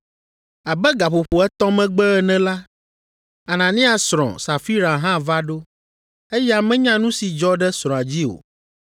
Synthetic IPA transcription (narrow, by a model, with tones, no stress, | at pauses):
a˨bɛ˦ɡa˨ɸo˨ɸo˨ɛ˦t̪ɔ̃˦mɛ̃˦ɡ͡bɛ˦ɛ˨nɛ̃˦la˦ | a˨nã˨nĩ˦a˨sɾ̃ɔ̰̃˨sa˨fi˦ɾa˨ɦã˦va˦ɖo˦ | e˦jɛ˦a˨mɛ̃˦ɲã˦nũ˦si˨d͡ʒɔ˦ɖɛ˦sɾɔ̃˨a˨d͡ʑi˦o̰˨